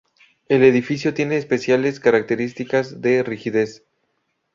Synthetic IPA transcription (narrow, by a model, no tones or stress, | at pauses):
e̞le̞ðifis̬jo̞t̪je̞ne̞ːspe̞sjale̞skaɾak̚t̪e̞ɾist̪ikazðe̞rixiðe̞s